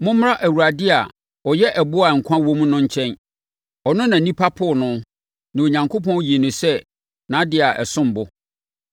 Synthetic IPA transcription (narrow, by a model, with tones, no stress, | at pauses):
mʊ̃˦m̩˦a˦ʔæ˨wu˨ɾa˨dɪ˦a˨ | ɔ˨jɛ˦ʔɛ˨bʊ˦a˨ŋ̩˨kʷʰã˦wõ˦m˦nʊ̃˦ɲ̩˦t͡ɕʰɛ̃˦n | ɔ˨nʊ̃˦nã˨nĩ˦pʰa˦pʰʊ˦˨nʊ̃˦ | nã˨o˨ɲã˨ŋkʰo˦pɔ̃˦n˦ji˨e˨nʊ̃˨sɛ˦ | nã˨˦dɪ˦a˨ʔɛ˨sʊ̃˦m˨bʊ˦